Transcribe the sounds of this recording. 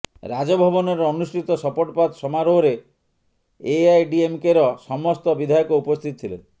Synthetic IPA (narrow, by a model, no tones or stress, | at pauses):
ɾad͡ʒɔbʱɔbɔnɔɾɔɔnusʈit̪ɔsɔpɔʈɔpad̪sɔmaɾoɦoɾe | eajɖiemkeɾɔsɔmɔst̪ɔbid̪ʱajɔkɔupɔst̪ʰit̪ɔt̪ʰilḛ